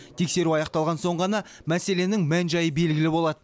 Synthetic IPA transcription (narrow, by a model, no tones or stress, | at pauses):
t̪ʰe̞kse̞ɾuɑjɑqt̪ɑlˠʁɑnso̞ɴʁɑnɑ | mæse̞le̞nɪŋmænʒɑjəbe̞lɡʲɪlɪbo̞lˠɑd̪ə